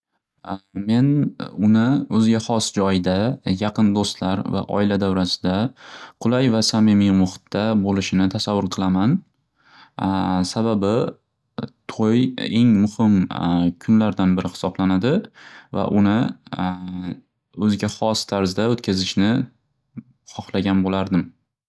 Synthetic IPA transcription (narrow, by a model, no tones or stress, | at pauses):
me̞nʊnɪɵzɡʲahɒsd͡ʒɒjd̪ajɑqʰɨnd̪ost̪laɾva̰ʔɒ̰ɪlad̪awɾasɪ̥d̪aqʰʊlˠajvasamimɪmʊχt̪ʰːabolɪʃɪnɪt̪ʰasavːʊɾqʰɨlˠaman | sababɪ | t̪ʰoje̞ŋmʊhɪmkʲʰʊnlaɾd̪anbɪɾʔɪhɪ̥sɒblanad̪ɪva̰ʔʊnɪ | ɵzɪɡʲaχɒst̪ʰaɾzd̪aɵt̪kʲʰazɪʃnɪ | χɒχlaɡʲanbolaɾd̪ɪm